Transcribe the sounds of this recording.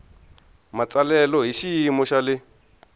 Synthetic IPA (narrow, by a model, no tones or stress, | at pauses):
mat͡salɛlɔɦiʃimɔʃalɪ